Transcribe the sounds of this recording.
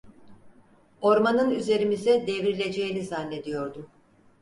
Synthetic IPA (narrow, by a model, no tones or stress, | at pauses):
o̞ɾmanɯnyze̞ɾimizɛd̪e̞viɾlʲe̞d͡ʒe̞jinizanːe̞d̪ijo̞ɾd̪ʊ